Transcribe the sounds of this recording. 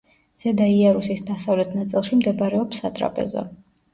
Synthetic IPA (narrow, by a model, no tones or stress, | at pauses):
z̥ɛd̪aiaɾusisd̪asavlɛt̪ʰnat̪sʼilˠʃimd̪ɛbɾɛɔpsat̪ʼɾa̰pʼɛ̰zɔ̰